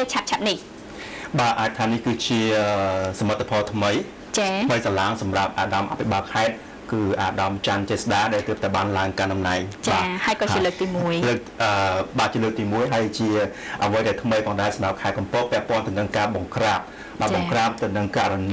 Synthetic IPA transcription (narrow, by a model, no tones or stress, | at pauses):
ət͡ɕʰap̚t͡ɕʰap̚nih | ɓaːʔaːc̚t̪ʰaːnihkɨːt͡ɕiəsamət̪ːapʰɑːlt̪ʰməj | t͡ɕaməjsalaːŋsɑmrap̚ʔaːɗɑmʔa̰pʰiɓaːlkʰaɛt̪̚ | kɨːʔaːɗɑmt͡ɕant̪eːsaɗaːɗaɛlt̪əp̚t̪aɛɓaːnlaəŋkanɗɑmnaɛŋt͡ɕɓaːhaəjkɑːt͡ɕiələːk̚t̪iːmuəjləːk̚ʔəːɓaːt͡ɕiələːk̚t̪iːmuəjɦaəjt͡ɕiə | ʔəʋəjɗaɛlt̪ʰməjpʰɔːŋɗaɛsɑmrap̚kʰaɛt̪̚kɑmpohpːɛ̆əʔpŏənt̪əwnɨŋkaːɓɑŋkraːp̚ | ɓaːɓɑkraːp̚t̪ɨwnɨŋka̰ʔrɑn